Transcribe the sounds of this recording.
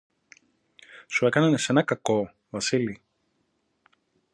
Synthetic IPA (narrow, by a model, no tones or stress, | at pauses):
sue̞kɐnɐnese̞nɐkɐko̞ | vɐsili